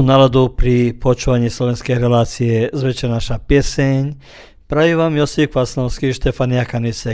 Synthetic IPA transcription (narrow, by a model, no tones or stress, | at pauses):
nalad̪upɾipɔt͡ʃuʋaɲiːslɔʋɛnskɛjɾɛlaːt͡siɛzʋɛt͡ʃɛɾnaʃapjɛsɛɲ | pɾaʋiʋamjɔsikʋasnɔʊskiʃt̪ɛfaniakanisɛ